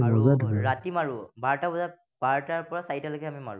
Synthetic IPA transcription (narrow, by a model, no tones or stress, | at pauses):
maɹɔɡadɹatimaɹubaɹtabɔza | baɹtaɹpɔɹasajtalokɛamima̰ɹʊ